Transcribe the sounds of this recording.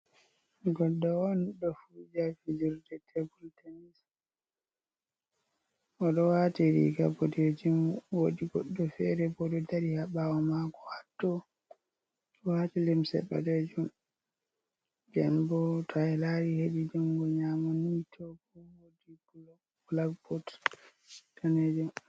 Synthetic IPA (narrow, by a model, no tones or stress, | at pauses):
ɡɔlɗɔɔnɗɔfud͡ʒafid͡ʒuɾdɛtʰebultʰenis | ʔɔɗɔwatiɾḭɡaboded͡ʒumwodiɡɔɗːɔfɛɾɛbɔɗɔtaɾihaɓawɔmaɡɔhatːɔ | ɔwatilimsɛ̰ba̰ded͡ʒum | d͡ʒɛ̰nbɔtʰaɛlaɾiheɗid͡ʒumɡɔɲamɔnitʰɔɡɔwodi | bulakbɔt | tʰaned͡ʒum